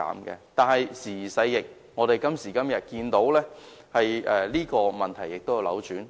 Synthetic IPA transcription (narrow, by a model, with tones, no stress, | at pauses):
a̰ː˨mkɛ̰ː˧t̪aː˨˧nhɐ˨jsiː˨˩sɐ˧jːɪ˨k̚ | ŋɔː˨˧ɾe˨jkɐ˥msiː˨˩kɐ˥mjɐ˨t̚kiː˧nt̪o˨˥wlɛː˥hɐ˨jɛ˧liː˥kɔː˧mɐ˨nt̪ʰɐ˨˩jːɪ˨k̚t̪o˥wja˧lɐ̰˨˧wt͡ʃyː˨˥n